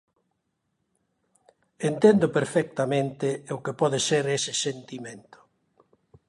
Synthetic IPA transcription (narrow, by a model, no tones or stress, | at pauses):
ent̪end̪ʊpeɾfɛk̚t̪amẽnt̪ɪʊkepɔðeseɾesɪsent̪imẽnt̪ʊ̥